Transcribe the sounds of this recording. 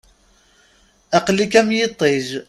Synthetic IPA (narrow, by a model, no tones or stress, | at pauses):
æqlːikæmjɪt̪ˤːeʒ